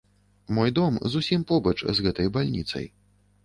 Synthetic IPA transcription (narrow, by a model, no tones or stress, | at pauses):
mɔjd̪ɔmzusʲimpɔbɐt͡ʂzɣɛt̪ɐjbalʲnʲḭt̪sɐ̰j